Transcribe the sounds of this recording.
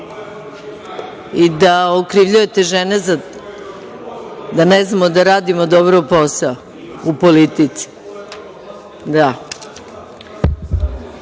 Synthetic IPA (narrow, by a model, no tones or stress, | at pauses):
id̪aokɾiʋʎuje̞t̪eʒeneza | d̪aneznamod̪aɾaːd̪imod̪obɾouposao | upolit̪it̪si̥ | d̪a